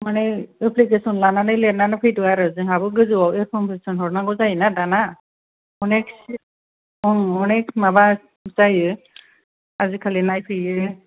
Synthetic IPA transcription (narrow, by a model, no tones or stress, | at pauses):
manɛepʰlikesɔnlananɯjlenanɯpʰɯjtuaɾɯzɯɦabɯɡɯzɯwawepʰɔmpʰesɔnɦɔɾnaɡɔzajnadana | ɔneks | ɔŋɔnekmaba | sajɯ | azikʰalinajpʰɯjɯ